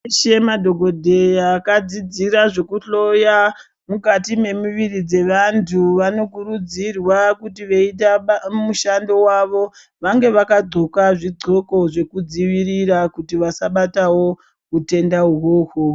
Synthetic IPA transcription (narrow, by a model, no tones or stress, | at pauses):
ʃemadʱo̞ɡʱo̞dʱe̞jakad͡zid͡ziɾaʐe̞kuɬo̞ja | mukatime̞muʋirid͡ze̞ʋantʰuʋano̞kuɾud͡zirwakutiʋe̞it̬amuʃando̞waʋo̞ | ʋaŋɡe̞ʋakad͡zo̞kaʐid͡zʱo̞ko̞ʐe̞kud͡ziʋiɾirakutiʋasaɓatawo̞ | ute̞ndauɦoho